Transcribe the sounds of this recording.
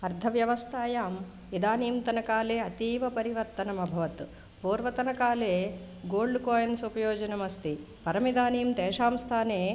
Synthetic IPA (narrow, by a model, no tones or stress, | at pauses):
ɐɾd̪ʱɐʋjɐʋɐst̪ʰaːjaːm | id̪aːniːmt̪ɐnɐkaːleːɐt̪iːʋɐpɐɾiʋɐɾt̪ɐnɐmɐbʱɐʋɐt̪ | puːɾʋɐt̪ɐnɐkaːleː | ɡoːɭɖkoːjɐnsupɐjoːd͡ʒɐnɐmɐst̪i | pɐɾɐmid̪aːniːmt̪eːʂaːmst̪ʰaːneː